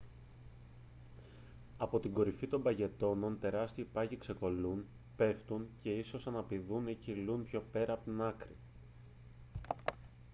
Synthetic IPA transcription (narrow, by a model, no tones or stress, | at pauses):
ɐpo̞t̪iŋɡo̞ɾifit̪o̞mbɐʝe̞t̪o̞no̞nt̪e̞ɾɐst̪iːpɐʝikse̞ko̞lun | pe̞ft̪unce̞iso̞sɐnɐpiðunecilunpço̞pe̞ɾɐːpot̪inɐkɾi